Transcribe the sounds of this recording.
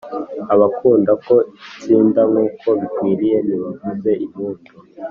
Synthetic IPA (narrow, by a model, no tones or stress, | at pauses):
aβakʰuːndako̞it͡siːndaŋuːkʰo̞βikwiːɾije̞niβiɡize̞ʔimuːtʰo